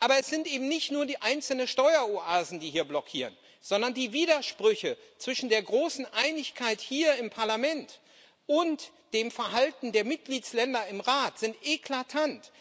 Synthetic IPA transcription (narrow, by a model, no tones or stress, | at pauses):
ʔaːbɐɛsz̥ɪntʔeːbm̩nɪçtnuːɐdiːʔaɪnt͡sl̩nənʃtɔʏɐoʔaːzn̩diːhiːɐblɔkʰiːʁən | z̥ɔndɐndiːviːɾɐʃpʁ̥ʏçət͡sv̥ɪʃn̩deːɐɡʁoːsn̩ʔaɪnɪçkʰaɪthiːɐɪmpʰaɐlamɛnt | ʔʊnt | d̥eːmfɛɐɦaltn̩deːɐmɪt̚ɡ̥liːtslɛndɐɪmʁaːtz̥ɪntʔekʰlatʰant